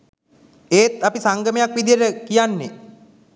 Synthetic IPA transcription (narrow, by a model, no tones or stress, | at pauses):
eːt̪apisaŋɡəmejakʋid̪ijəɾəkijanːe